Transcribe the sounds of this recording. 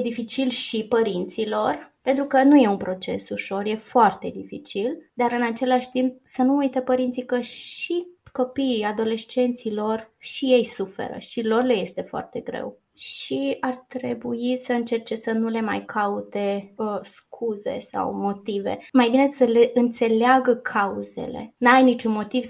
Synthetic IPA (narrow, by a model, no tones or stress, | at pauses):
jed̪ifit͡ʃilʃipəɾint̪silo̞rpe̞nt̪ɾukənuje̞unpɾo̞t͡ʃe̞̰suʃo̞rje̞foart̪e̞d̪ifit͡ʃild̪aɾɨnat͡ʃe̞laʃʲt̪imp̚sənuujt̪əpəɾint̪sikəʃiko̞piːad̪o̞le̞st͡ʃe̞nt̪silo̞rʃije̞jsufe̞̰ɾə̰ʃilo̞rle̞je̞st̪e̞foa̰rt̪e̞ɡɾe̞̰w | ʃiart̪ɾe̞buisəɨnt͡ʃe̞rt͡ʃe̞sənule̞majkʰaut̪e̞əskʰuze̞̰sa̰wmo̞t̪ivḛmajbine̞səle̞ʔɨnt̪se̞leaɡəkʰauze̞̰le̞̰najnit͡ʃunmo̞t̪iv̥